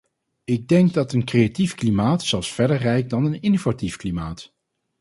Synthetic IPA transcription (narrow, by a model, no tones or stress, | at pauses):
ɪɡ̚dɛŋɡ̚dɑtənkreatifklimaːtsɛlˠsfɛɹdəɹrɛjk̚dɑnənɪnovatifklimaːt